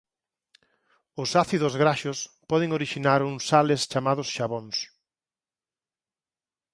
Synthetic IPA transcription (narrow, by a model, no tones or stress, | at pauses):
ʊsaθiðʊzɣɾaʃʊspɔðɪŋoɾiʃinaɾuŋsalɪst͡ʃamaðʊsʃaβoŋs